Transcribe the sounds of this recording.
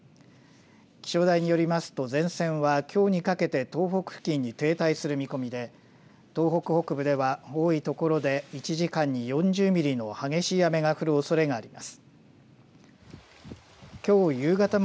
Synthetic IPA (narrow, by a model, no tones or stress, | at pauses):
kʲi̥ɕo̞ːd̪aiɲ̟ijo̞ɾʲimasɨ̥t̪o̞zẽ̞ɰ̃sẽ̞ɰ̃βakʲʰo̞ːɲ̟ikake̞t̪e̞t̪o̞ːɦo̞kɯ̟̥kʲĩɲ̟ːit̪e̞ːt̪aisɨɾɯ̟mʲiko̞mʲid̪e̞ | t̪o̞ːɦo̞kɯ̟ho̞kɯ̟bɯ̟d̪e̞βao̞ːit̪o̞ko̞ɾo̞d̪e̞it͡ɕiʑikãɲ̟ːijõ̞ɲd͡ʑɨːmʲiɾʲino̞haɡe̞ɕiːjame̞ɡaɸɯ̟ɾɯ̟o̞so̞ɾe̞ɡaːɾʲimasɨ̥ | kʲo̞ːjɯ̟ːɡat̪am